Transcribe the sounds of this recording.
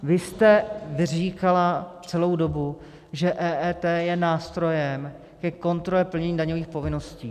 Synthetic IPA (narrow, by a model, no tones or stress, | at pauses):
vɪst̪ɛvɪriːkalat͡sɛlo̞wdo̞bu | ʒɛʔɛːʔɛːt̪ɛːjɛnaːst̪ɾo̞jɛm | kɛko̞nt̪ɾolɛpl̩ɲɛɲiːdaɲoviːxpo̞vɪno̞sciː